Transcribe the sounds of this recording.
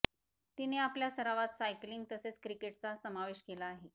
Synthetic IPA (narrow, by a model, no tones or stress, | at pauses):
t̪ineapljasəɾaʋat̪sajkliŋɡ̚t̪əset͡skɾikeʈt͡sasəmaʋeɕkelaːɦe